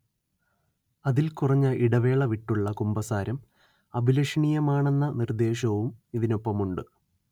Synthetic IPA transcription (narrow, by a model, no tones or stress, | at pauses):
ɐðilkurɐɲːɐʔiɽɐʋe̞ːɭɐʋiʈːuɭːɐkumbɐsaːɾɐm | ɐbʱilɐʂɐɳijɐmaːɳe̞nːɐnird̪e̞ːɕɐʋumiðino̞pːɐmuɳɖɨ